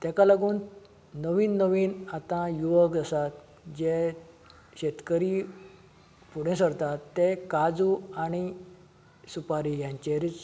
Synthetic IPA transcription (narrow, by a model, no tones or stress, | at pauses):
t̪jakalaɡuːn | nəʋiːnːəʋiːnat̪ãjuʋəkd͡zasat̪ | d͡ʑe | ɕet̪kəɾi | puɽẽsəɾt̪at̪ːekad͡zuani | supaɾijãɲt͡ɕeɾit͡s